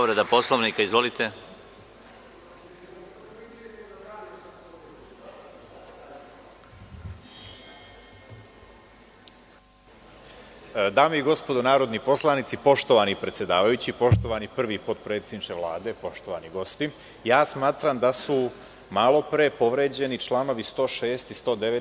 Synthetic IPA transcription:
oʋɾed̪aposlˠoʋnikaizʋolit̪e | d̪aːmeiɡo̞spo̞d̪onaːɾo̞d̪nipo̞slˠanit̪sipo̞ʃt̪o̞ʋanipɾe̞t̪sʲje̞d̪aːʋajut͡ɕipo̞ʃt̪o̞ʋanipr̩ʋipot̪pɾe̞ːt̪sed̪nit͡ʃeʋlˠaːd̪e̞po̞ʃt̪o̞ʋaniɡo̞st̪i | jaːsmaːt̪ɾamd̪asu | malˠo̞pɾepo̞ʋɾe̞ːd͡ʑe̞nit͡ʃlˠaːno̞ʋist̪o̞ːʃe̞ːst̪ist̪o̞d̪eʋe

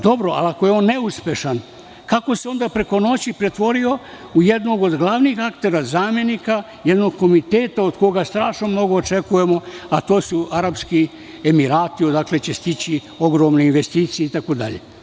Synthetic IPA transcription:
d̪o̞bɾoʔa̰lakojeo̞ːnːeuspʲje̞ʃan | kako̞seo̞nd̪apɾe̞ko̞no̞t͡ɕipɾet̪ʋo̞ɾio̞ | ujed̪no̞ɡo̞d̪ɡlˠaːʋnixakt̪e̞ɾazaːmje̞nika | jed̪no̞ɡ̚ko̞mit̪eːt̪aod̪ko̞ɡast̪ɾaːʃno̞mno̞ɡo̞ːt͡ʃe̞kuje̞mo̞at̪o̞ːsuʔaɾapski | emiɾaːt̪iod̪akle̞t͡ɕe̞st̪it͡ɕi | o̞ɡɾo̞ːmneinʋe̞st̪iːt̪sijeit̪akod̪a̰ʎḛ

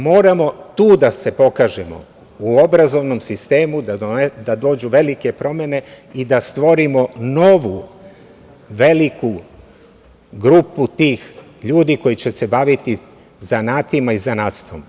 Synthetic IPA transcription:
mo̞ːɾamo̞t̪uːd̪ase̞po̞kaːʒemo̞̰ | uo̞bɾazo̞ʋnomsist̪e̞ːmud̪ad̪ad̪o̞ːd͡ʑuʋe̞like̞pɾo̞me̞ne̞ | id̪ast̪ʋo̞ɾimo̞no̞ʋu | ʋe̞liku | ɡɾuput̪iːx | ʎuːd̪iko̞jit͡ɕe̞se̞baʋit̪i | zanaːt̪imaizanaːt̪st̪ʋo̞̰m

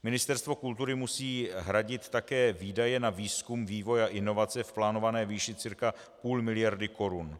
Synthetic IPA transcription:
mɪnɪst̪ɛɾst̪vo̞kult̪uɾɪmusiːɦɾaɟɪt̪ːakɛːviːdajɛnaviːskumviːvo̞jaʔɪno̞vat͡sɛfplaːno̞vanɛːviːʃɪt͡sɪɾka | puːlmɪlɪjaɾdɪko̞ɾun

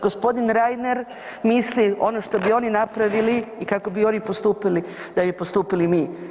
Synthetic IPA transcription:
ɡospo̞d̪inɾajd̪neɾ | mislio̞̰noʃt̪o̞bio̞ninapɾaʋiliːkako̞bio̞nipo̞st̪uːpilid̪abipost̪uːpilimiː

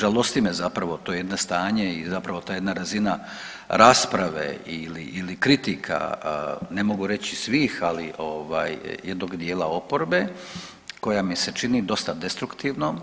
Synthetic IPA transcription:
ʒalost̪imezapɾaʋo̞t̪ojeed̪nost̪aːɲeizapɾaʋo̞t̪aːjed̪naɾazina | ɾaspɾaʋḛilḭilikɾit̪ikʰa̰ne̞mo̞ɡuɾe̞t͡ɕisʋiːxaliʔo̞ʋa̰ːjje̞d̪noɡd̪je̞ːlao̞poɾbe̞ | ko̞jamise̞t͡ʃinid̪o̞st̪ad̪e̞st̪ɾukt̪iːʋno

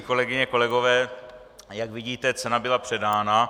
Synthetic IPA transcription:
ko̞lɛɡɪɲɛko̞lɛɡo̞vɛː | jaɡvɪɟiːt̪ɛt͡sɛnabɪlapr̝̥ɛdaːna

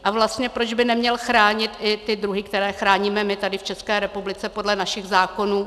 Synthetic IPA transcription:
ʔavlast̪ɲɛpɾo̞d͡ʒbɪnɛmɲɛlxɾaːɲɪt̪ʔɪt̪ɪdɾuɦɪkt̪ɛɾɛːxɾaːɲiːmɛmɪt̪adɪft͡ʃɛskɛːɾɛpublɪt͡sɛpo̞dlɛnaʃɪɣzaːko̞nuː

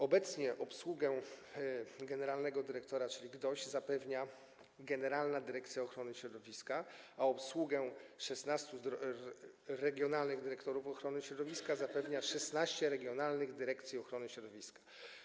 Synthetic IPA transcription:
ɔbɛt̪sɲɛʔɔpswuɡɛ | ɡɛnɛɾalnɛɡɔd̪ɘɾɛkt̪ɔɾat͡ʂɘlʲiɡd̪ɔʑzapɛvɲa | ɡɛnɛɾalnad̪ɘɾɛkt̪sʲjaɔxɾɔnɘɕɾɔd̪ɔvʲiskaaɔpswuɡɛʂɛsnast̪uɔ | ɾɛɡʲjɔnalnɘɣd̪ɘɾɛkt̪ɔɾufɔxɾɔnɘɕɾɔd̪ɔvʲiskazapɛvɲaʂɛsnaɕt͡ɕɛɾɛɡʲjɔnalnɘɣd̪ɘɾɛkt̪sʲjiɔxɾɔnɘɕɾɔd̪ɔvʲiskḁ

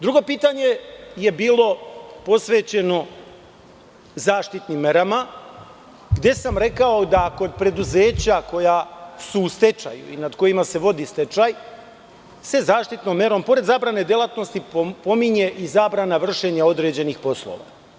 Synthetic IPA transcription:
d̪ɾuɡo̞piːt̪aɲe̞je̞biːlˠo̞po̞sʋe̞ːt͡ɕe̞no̞ | zaːʃt̪it̪nimːe̞ɾama | ɡd̪e̞samɾe̞kaod̪ako̞d̪̚pɾe̞d̪uze̞ːt͡ɕako̞jasuːst̪e̞t͡ʃa̰jṵḭnad̪ko̞jimase̞ʋo̞d̪ist̪e̞t͡ʃaj | se̞zaːʃt̪it̪nomːe̞ɾo̞mpo̞ɾed̪zaːbɾane̞d̪jelˠat̪no̞st̪ipo̞miɲe̞ʔizaːbɾanaʋr̩ʃe̞ɲao̞d̪ɾe̞d͡ʑe̞nixpo̞slˠo̰ʋa̰

